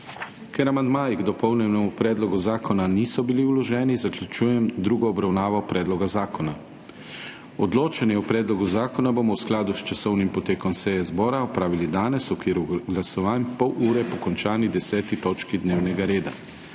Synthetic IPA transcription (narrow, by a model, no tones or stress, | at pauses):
kɛɾamand̪maːjiɡd̪ɔpɔwnɛnɛmupɾɛːd̪lɔɡuzaːkɔnanisɔbiliwlɔʒɛːnizaklʲut͡ʃuːjɛmd̪ɾuːɡɔːbɾawnaːʋɔpɾɛːd̪lɔɡazaːkɔna | ɔd̪loːt͡ʃɛnjɛwpɾɛːd̪lɔɡuzaːkɔnabomɔwsklaːd̪ust͡ʃasɔwnimpɔt̪eːkɔmsɛjɛzbɔːɾaɔpɾaːʋilid̪aːnɛsɔkiːɾuɡlasɔʋaːnpɔwʔuːɾɛpɔkɔnt͡ʃaːnid̪ɛsɛːt̪it̪ɔːt͡ʃkid̪neːwnɛɡaɾeːd̪a̰